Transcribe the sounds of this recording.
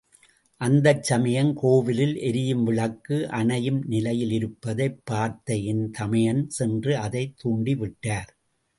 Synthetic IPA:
ʔɐnd̪ɐt͡ʃːɐmɐjɐnkoːʋɪlɪlʔɛɾɪjɯmʋɪɭɐkːɯʔɐɳɐjɯmnɪlɐjɪlɪɾɯpːɐðɐɪpːaːɾt̪ɐjɪnt̪ɐmɐjɐnsɛndrɯɐðɐɪt̪ːuːɳɖiʋɪʈːaːɾ

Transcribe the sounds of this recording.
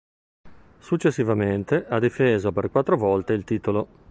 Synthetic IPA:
sut͡ʃːesːivament̪eʔad̪ifeːzoperkwat̪ːɾovɔlt̪eilt̪iːt̪olo

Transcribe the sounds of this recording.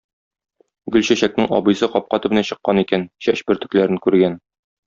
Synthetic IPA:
ɡɵlɕæɕæk̚nɘŋɒ̰bɤ̆jsɤqɒp̚qɑt̪ɘ̆bɘ̆næɕɤ̆qːɑnikænɕæɕbɘ̆ɾt̪ɵ̆klæɾɘŋkʉɾɡæn

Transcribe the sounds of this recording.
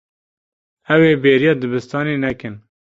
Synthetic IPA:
ɛweːbeːɾijɑːd̪ɨbɨst̪ɑːneːnɛkɨn

